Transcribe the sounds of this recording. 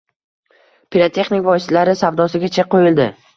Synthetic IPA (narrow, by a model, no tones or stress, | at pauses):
pʰiɾat̪ʰe̞χnɪkʲvɒjslaɾɪsavd̪ɒsɪɡʲat͡ʃʰeq̚qːojɪld̪ɪ